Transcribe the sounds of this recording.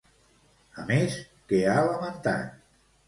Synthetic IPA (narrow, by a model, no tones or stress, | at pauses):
əmes | kealəmənt̪a̰t̪̚